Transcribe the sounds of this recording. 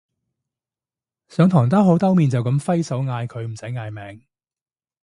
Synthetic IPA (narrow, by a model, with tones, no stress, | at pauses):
sœː˨˧ŋt̪ʰɔː˨˩ŋt̪ɐ˥ɦo˨˥wt̪ɐ˥wmiː˨nt͡sɐ˨wkɐ˨˥mfɐ˥jsɐ˨˥wŋaː˧jkʰɵ˨˧ɥm̩˨˩sɐ˨˥jŋaː˨˧jmɛː˨˧ŋ